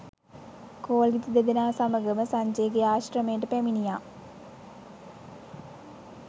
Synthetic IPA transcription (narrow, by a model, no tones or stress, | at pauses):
koːlɡit̪id̪ed̪inaːsɐmɐɡɐmɐsɐɲd͡ʑeɡɐjaːɕrɐmeːɳɖɨpeminijaː